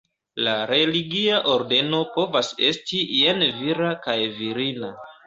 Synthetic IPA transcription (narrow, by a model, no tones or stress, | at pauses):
laɾe̞liɡiaʔo̞ɾde̞no̞po̞vase̞stijenviɾakajviɾina